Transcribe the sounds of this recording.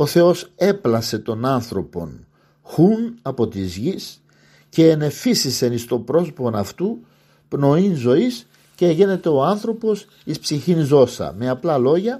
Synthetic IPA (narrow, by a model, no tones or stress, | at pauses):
o̞θe̞o̞se̞plɐse̞t̪o̞nɐnθɾo̞po̞̰n | xunɐpo̞t̪izʝis | ce̞ːne̞fisise̞nist̪o̞pɾo̞soponɐft̪u | pno̞inzo̞is | ceeʝene̞t̪e̞o̞ɐnθɾo̞po̞s | ispsiçinzo̞sɐ̰me̞ɐplɐlo̞ʝɐ